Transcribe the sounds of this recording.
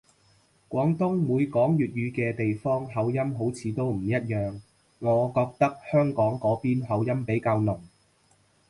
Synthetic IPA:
kʷɔː˨˥ŋt̪ʊ˥ŋmuː˨˧jkɔː˨˥ŋjyː˨t̚jyː˨˧kɛː˧t̪e˨jfɔː˥ŋɦɐ˨˧wjɐ˥mɦo˨˥wt͡sʰiː˨˧t̪o˥wm̩˨˩jɐ˥t̚jœː˨ŋː | ɔː˨˧kɔː˧k̚t̪ɐ˥k̚hœː˥ŋkɔː˨˥ŋkɔː˨˥piː˥nɦɐ˨˧wjɐ˥mpe˨˥jkaː˧wnʊ˨˩ŋ

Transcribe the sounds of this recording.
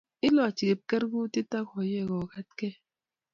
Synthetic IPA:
i˦lɔ˦a˨t͡ʃi˨ke˨p̚ke˦ɾɡu˦ti˦ta˦kɔ˨je˦˨ɣɔ˨ka˦t̚ke˦

